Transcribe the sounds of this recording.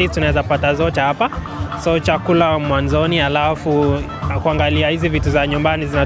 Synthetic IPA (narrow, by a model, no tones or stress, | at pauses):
itunaɛzapatazɔt͡ʃɛhapa | sɔt͡ʃakulamwanzɔnialafu | kuaŋɡaliahizivituzaɲumbanizina